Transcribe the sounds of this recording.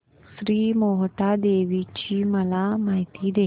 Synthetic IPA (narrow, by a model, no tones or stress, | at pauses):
sɾiːmoɦʈad̪eʋit͡ɕiːməlamaɦit̪iːd̪e